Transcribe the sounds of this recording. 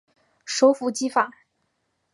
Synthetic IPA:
ʂo˧˥ʊfu˧˥t͡ɕi˥fa˨˩˦

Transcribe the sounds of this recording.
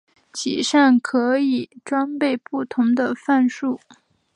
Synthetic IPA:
t͡ɕʰḭ˨˩ʂa˥˩nkʰɤ˧˥i˨˩ʈ͡ʂwa˥npe˥˧ɪpu˥˩t̪ʰʊ˧˥ŋd̪ə˧fa˥˧nʂu˥˩

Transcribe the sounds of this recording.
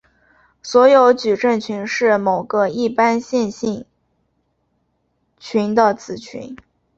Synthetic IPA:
swɔ˧˥jo˧˥ʊt͡ɕy˨˩ʈ͡ʂə˥˩ŋt͡ɕʰy˧˥nʂɻ̩˥˩mo˨˩ʊɡə˦i˥˩pa˥nɕjɛ˥˧nɕi˥˩ŋ | t͡ɕʰy˧˥nd̪ə˨t͡sɹ̩˨˩t͡ɕʰy̰˧˥n

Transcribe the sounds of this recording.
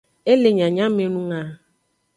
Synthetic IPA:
e˦le˨ɲa˨ɲa˦m˦m˦e˦nu˦ŋa˦

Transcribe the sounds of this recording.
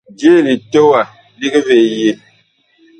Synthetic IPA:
d͡ʒje˦˨li˨to˦wa˨ | li˦ɡe˦ve˨je˦

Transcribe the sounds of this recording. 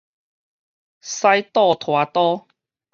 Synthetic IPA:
sa˦jt̪ɔ˥˨t̪ʰwa˨˦t̪ɔ˦

